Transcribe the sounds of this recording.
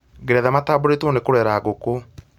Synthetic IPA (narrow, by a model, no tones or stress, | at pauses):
ɡeɾɛðamataːboɾetwɔnekoɾɛːɾaːɣoko